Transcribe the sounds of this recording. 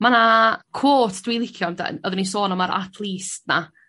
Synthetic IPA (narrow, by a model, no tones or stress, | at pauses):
manakʰwoːtʰd̥wilˠɪkʰjɔmda̰ɔðənis̬oːnɔmaɾʔa̰tʰlˠiːstna